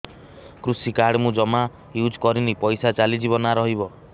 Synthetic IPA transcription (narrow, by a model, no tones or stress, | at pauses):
kɾusikaɽmũd͡ʒɔma | jud͡ʒkɔɾinipɔjsat͡ʃalid͡ʒibɔnaɾɔɦibɔ